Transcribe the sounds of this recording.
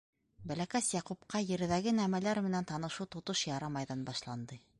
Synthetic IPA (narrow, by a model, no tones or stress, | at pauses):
bælækæsjɑqupqɑjɘ̆ɾɘ̆ðæɡɘnæmælæɾmɘ̆nænt̪ɑnɤ̆ʃut̪ŏt̪ɤʃjɑɾɑmɑjðɑnbɑʃlˠɑnd̪ɤ